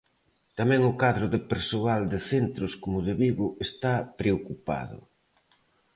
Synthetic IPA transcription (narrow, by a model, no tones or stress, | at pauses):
t̪amɛ̃ŋʊkaðɾʊðɪpeɾsoald̪ɪθent̪ɾʊskomʊðɪβiɣʊest̪apɾeokupa̰ðʊ̰